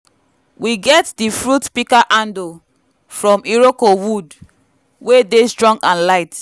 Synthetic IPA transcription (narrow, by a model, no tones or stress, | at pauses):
wiɡɛtdifɹutpikaʔãndo | fɹɔ̃miɹokowud | wedestɹɔ̃ŋɡãnlaɪt